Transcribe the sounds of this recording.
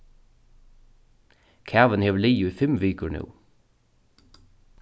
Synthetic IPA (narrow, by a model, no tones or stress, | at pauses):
kʰæːʋənheːʋəliːʊiːfɛmʋiːkəɳṵː